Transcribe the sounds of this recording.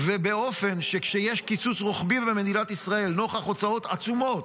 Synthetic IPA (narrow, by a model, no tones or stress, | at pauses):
vebeo̞fe̞nʃekʃejeʃkit͡susʁoχbivbeme̞d̪ilat̪isʁae̞lnoχaχot͡sao̞t̪at͡sumo̞t̪